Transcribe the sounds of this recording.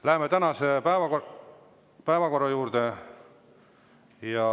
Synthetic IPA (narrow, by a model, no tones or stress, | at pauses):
læɦemːet̪ænɑsepæevɑko | pæevɑko̞rːɑjuːɾd̪e | jɑ